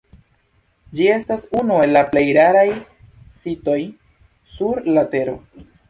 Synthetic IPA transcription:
d͡ʒie̞stasunue̞lːaple̞jɾaɾaj | sito̞j | suɾlate̞ɾo̞̰

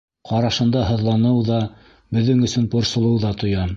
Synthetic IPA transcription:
qɑɾɑʃɤ̆nd̪ɑɦɤ̆ðlˠɑnɤwðɑ | bɵ̆ðːɘŋɵ̆sɵnpŏɾsŏlˠɤwðɑt̪ŏjɑ

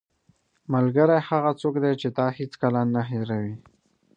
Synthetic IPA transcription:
malɡəɾajhaɣat͡sokd̪et͡ʃed̪ɑhet͡skalɑnːaɦɪɾawi

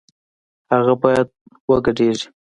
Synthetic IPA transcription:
haɣabɑjad̪̚ | wəɡaɖeʐi̥

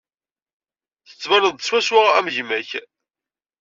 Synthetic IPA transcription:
θə̥t͡sːmænəðˤəswæswaʁæ̰mʝmæç

